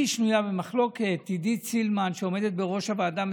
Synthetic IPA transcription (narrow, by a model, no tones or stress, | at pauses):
iʃnujabemaχlo̞ket̪ːid̪it͡silmanʃeome̞d̪et̪̚beʁo̞ʃavead̪am